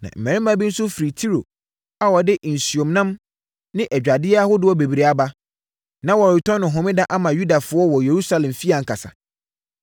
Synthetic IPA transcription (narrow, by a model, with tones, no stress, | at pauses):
nã̰˨m̩˨mɛ̃˨ɾɪ̃˦mã˦bi˦n̩˦sʊ˦fɾi˨tʰi˦ɾo̰˨ | a˨wɔ˨dɪ˦ʔn̩˨si˨õ˨mnã˦m | nɪ̃˦ʔɛ˨d͡ʑᶣa˨dɪ˦a˦hʊ˦dɪ˦ɔ˦be˨bi˨ɾi˨a˨ba˦ | nã˦wɔ˨ɾɪ˨tʰɔ̃˦nʊ̃˨ɦʊ̃˨mɪ̃˦dã˦ʔa˦mã˨ju˦da˨fʊ˦ɔ˦wɔ˨je˨ɾu˦sa˦lɛ̃˨mfi˦a˨ŋ̩˨kʰa˨sa̰˨